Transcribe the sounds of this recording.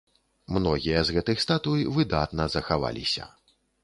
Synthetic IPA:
mnɔɣʲijɐzɣɛt̪ɨxst̪at̪ujvɨd̪at̪nɐzɐxava̰lʲisʲɐ̰

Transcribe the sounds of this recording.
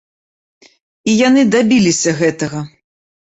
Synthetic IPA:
ijanɨd̪abʲilʲisʲɐɣɛt̪ɐɣɐ

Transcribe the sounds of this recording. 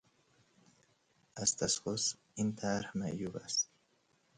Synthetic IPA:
ʔazt̪ʰasʁos | int̪ʰaɾhmaʔjubast̪̚

